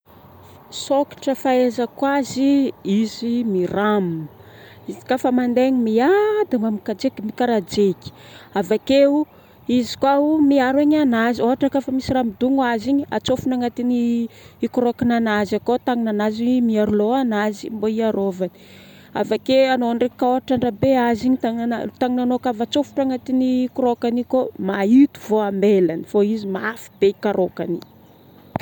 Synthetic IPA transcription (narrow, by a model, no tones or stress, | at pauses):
soki̥ʈ͡ʂəfaezəkwaziizimiram | izi̥kafəmand̪eɲimiad̪emamikad͡zekimikaɾad͡ʒeki̥ | avakeu | izi̥kwaumiaɾaɲanazioɦaʈ͡ʂakafəmisiɾamid̪uŋaziɲia̰t͡sofunaŋat̪iniːkuɾokananazakot̪aŋinanazimiaɾuloanazimboiaɾovani̥ | a̰vakeanoaɳɖ͡ʐekaoɦaʈ͡ʂaɳɖ͡ʐabeaziɲit̪aŋnanat̪aŋinanokavat͡sofu̥ʈ͡ʂaŋat̪inikuɾokanikomait̪u̥voambelanifoizimafi̥b̥eikaɾʔoka̰ni